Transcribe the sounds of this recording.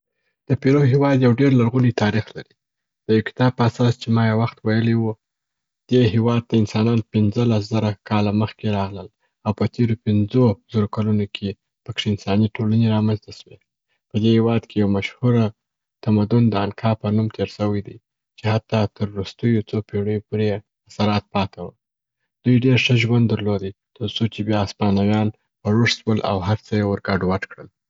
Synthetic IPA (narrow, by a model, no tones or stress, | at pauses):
d̪̥əpeɾoɦewɑd̪jawɖeɾlaɾɣunit̪ʰɑɾixlaɾi | d̪̥əjawkɪ̥t̪ɑb̚pəasɑst͡ʃemɑjawaxt̪wajəliwu | d̪̥eɦewɑd̪̚t̪aɪnsɑnɑnpɪnzəlaszaɾakʰɑlaməxkeɾɑɣləl | awpət̪ʰeɾopɪnzoz̥aɾokalunokʰe | pəkʂeɪnsɑniʈolaneɾɑmanzt̪aʃwe | pəd̪ehewɑd̪kʰejawmaʃhuɾa | t̪amad̪ʊnd̪əankʰɑpənumt̪ʰeɾsəwəjd̪i | t͡ʃehat̪ɑt̪əɾːust̪əjot͡sopeɽəjopoɾe | asaɾɑt̪̚pɑt̪ʰawəl | d̪̥ujɖeɾʂəʒwand̪əɾlod̪i | t̪əɾt͡sot͡ʃebjɑːspɑnawjɑn | pəɾuʂswəlʔa̰wɦaɾt͡səjewəɾɡɑɖwaʈkɽəl